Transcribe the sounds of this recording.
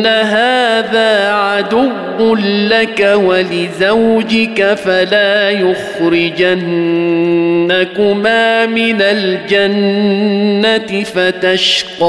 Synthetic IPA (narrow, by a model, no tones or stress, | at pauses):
aɦaːðaːʕad̪ʊwːʊnlakawalɪzawd͡ʒɪkafalaːjʊxɾɪd͡ʒan | akʊmaːmɪnald͡ʒanː | at̪ɪfat̪aʃqɑ